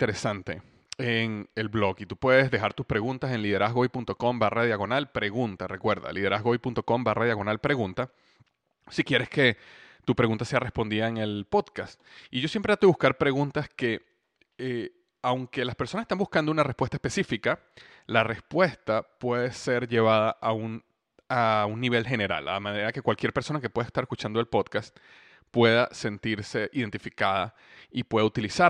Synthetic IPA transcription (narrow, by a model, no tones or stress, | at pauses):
t̪eɾesant̪e̞̰ | eŋe̞lblo̞kit̪upwe̞ðe̞zðe̞xaɾt̪uspɾe̞ɣunt̪ase̞nliðe̞ɾazɣojpunt̪o̞ko̞mbarað̞jaɣo̞nalpɾe̞ɣunt̪arʔe̞kwe̞ɾða̰lið̞e̞ɾʔa̰zɣojpunt̪o̞ko̞mbarað̞jaɣo̞nalpɾe̞ɣunt̪a | sikje̞ɾe̞ske | t̪upɾe̞ɣunt̪ase̞are̞spo̞nd̪iðaeŋe̞lpo̞ðkast̪ | iʝo̞sje̞mpɾeat̪eβuskaɾpɾe̞ɣunt̪aske̞ | e | awŋke̞laspeɾsonsest̪ambuskand̪ounare̞spwest̪aespe̞sifika | lare̞spwe̞st̪apwe̞ðe̞se̞ɾʝe̞β̞aðaʔaun | aunːiβ̞e̞lxe̞ne̞ɾa̰la̰amãneɾake̞kwalkjeɾpeso̞nakepwe̞ðaest̪aɾeskut͡ʃand̪oelpo̞ðkast̪ | pwe̞ðase̞nt̪iɾse̞ʔiðe̞nt̪ifikaða | ipwe̞ðaut̪ilisa